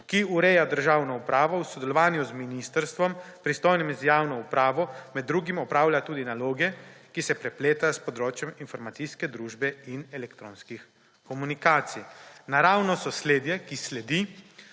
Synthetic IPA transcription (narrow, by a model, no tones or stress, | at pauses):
kiuɾɛjad̪əɾʒaːwnɔupɾʔaːʋɔwsɔd̪ɛlɔʋaːnjuzminist̪əɾst̪ʋɔmpɾist̪ɔjnimizjaːwnɔupɾaːʋɔmɛd̪ːɾuːɡimɔpɾaːwlʲjat̪uːd̪inaloːɡɛkisɛpɾɛpleːt̪aspɔd̪ɾoːt͡ʃjɛminfɔɾmat̪siskɛd̪ɾuːʒbɛinɛlɛkt̪ɾo̰ːnskix | kɔmunikaːt̪sinaɾaːwnɔsɔsleːd̪jɛkislɛd̪i